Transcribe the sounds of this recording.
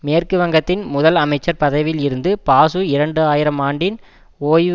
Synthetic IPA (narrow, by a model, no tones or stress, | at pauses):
meːrkɯʋɐŋɡɐt̪ːɪnmʊðɐlɐmɐɪt͡ʃːɐɾpɐðɐʋɪlɪɾɯnd̪ɯpaːsɯɪɾɐɳɖɯaːjɪɾɐmaːɳɖɪn | oːj